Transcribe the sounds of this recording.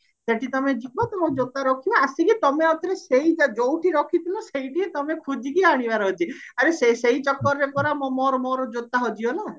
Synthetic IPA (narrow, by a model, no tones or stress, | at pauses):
seʈit̪ɔmed͡ʒibɔt̪ɔmod͡ʒot̪aɾɔkʰibaasikit̪ɔmeɔt̪ɔɾeseid͡ʒad͡ʒowʈiɾɔkʰit̪ʰilɔseɦiʈiet̪ɔmekʰud͡ʒʱikiaɽ̃ibaɾɔɦɔt͡ʃʰiaɾeseseit͡ʃɔkːɔɾɔɾepɔɾamɔmɔɾɔmɔɾɔd͡ʒot̪ːaɦɔd͡ʒiɔna